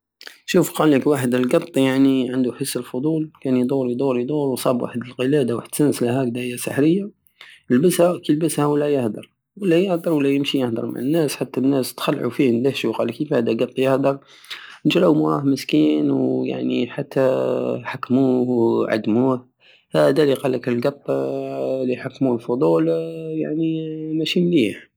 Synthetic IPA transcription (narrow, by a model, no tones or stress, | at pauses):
ʃuːfqɑːlːəkwaːħəd̪əlɡɑt̪ˤːjaʕniʕand̪uħəsːəlfʊd̪ˤuːlkænjd̪ˤuːɾijd̪ˤuːɾijd̪ˤuːɾwsˤɑːbwa̰ħəd̪əlqəlæd̪awa̰ħəd̪sənslæhæk̚d̪æjːasə̰ħɾəjːa | jəlbəshækəlbəshæwəlːæjəhd̪ɑ̰ɾˤ | wəlːæjəhd̪ɑɾˤwəlːæjəmʃijəhd̪ɑ̰ɾˤma̰ʕənːæːsħat̪ːænːæst̪xælːʕṵfihnd̪æhʃuqɑləkːifhæd̪æɡɑt̪ˤːjəhd̪ɑɾˤ | nəʒɾɑwmuɾˤɑhməskiːnwja̰ʕnḭħat̪ːæħakːmuːhwʕa̰d̪ːmuh | hæd̪æliqɑlːəklɡɑt̪ˤː | liħakːmulfod̪ˤulja̰ʕnimæʃimliːħ